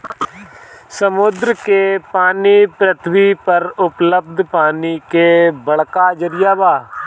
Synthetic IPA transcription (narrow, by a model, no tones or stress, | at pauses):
səmʊd̪ɾəkepaːnipɾət̪ʰʋipəɾʊpləb̚d̪ʱpaːnikebəɽkad͡ʒəɾɪjaːbaː